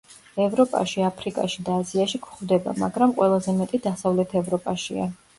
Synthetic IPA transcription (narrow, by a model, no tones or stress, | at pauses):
ɛvɾɔpʼa̰ʃiapʰɾikʼa̰ʃid̪aːziaʃikʰχvd̪ɛba̰ma̰ɡɾamqʼwɛlˠazɛmɛt̪ʼid̪asavlɛt̪ʰɛvɾɔpʼaʃia̰